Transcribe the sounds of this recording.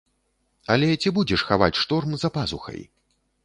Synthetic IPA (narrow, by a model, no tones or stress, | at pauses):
ɐlʲɛt͡sʲibud͡zʲɛʂxava̰t͡sʲʂt̪ɔrmzɐpazuxɐ̰j